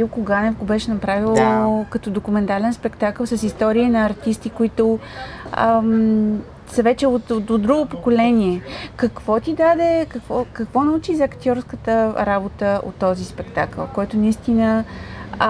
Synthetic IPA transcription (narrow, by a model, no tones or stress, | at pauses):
ilkoɡanɛfɡobɛʃɛnɐpɾavilˠkɐt̪ɔd̪okumɛnt̪alɛnspɛkt̪akəlˠsəsist̪ɔɾiinɐːɾt̪ist̪ikoit̪o | səvɛt͡ʃɛot̪od̪ɾuɡopokolɛnʲiɛkɐkvɔt̪id̪ad̪ɛkɐkvɔkɐkvɔnɐut͡ʃizɐkt̪ʲjɔɾskət̪əɾabot̪əo̰t̪ːɔzispɛkt̪akə̰lˠkɔjt̪ʊnɐist̪inə